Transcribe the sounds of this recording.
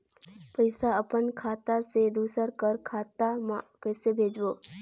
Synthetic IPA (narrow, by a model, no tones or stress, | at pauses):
pəɪsaəpənkʰaːt̪ased̪uːsəɾkəɾkʰaːt̪amãkɛːsebʱeːd͡ʒʋoː